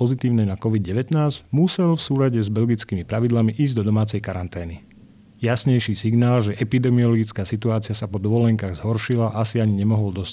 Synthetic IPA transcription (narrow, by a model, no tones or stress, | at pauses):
ɔzit̪iːʊnɛnakɔʋid̪̚ɟɛʋɛt̪naːzɟmusɛlfsuːlaɟɛzbɛlɡit͡skiːmipɾaʋid̪lamiʔiːzɟd̪ɔd̪ɔmaːt͡sɛjkaɾant̪ɛːni | jasɲɛjʃiːsiɡnaːlʒɛʔɛpid̪ɛmiɔlɔɡit͡skaːsit̪uaːt͡siɪasapɔd̪ɔʋɔlɛŋkaːɣzɦɔɾʃilaʔasiaɲiɲɛmɔɦɔld̪ɔs